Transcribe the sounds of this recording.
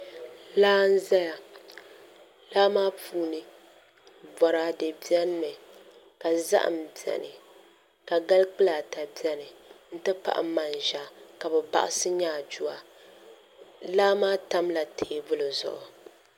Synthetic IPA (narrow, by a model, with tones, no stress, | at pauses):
laː˦n̩˦za˦ja˨ | laː˦maː˦puː˦nɨ˨ | bɔ˨ɾa˦de˨bi˦ɛ˦n˦mɛ˨ | ka˨za̰˦ʔa̰˨m˨bjɛ̰˨nɨ˨ | ka˨ɡa˦lk͡pɨ˦la˨ta˨bi˦ɛ˦nɨ˨n̩˦tɨ˦pa̰˦ʔa̰˨˦ma˨nʒa˨ka˨bɛ˨ba̰˨ʔa̰˦sɨ˦ɲaː˦˨d͡ʒu˦a˨ | laː˦maː˦ta˦mla˨tʰe˨bʊ˦lɨ˨zʊ̰˨ʔʊ˨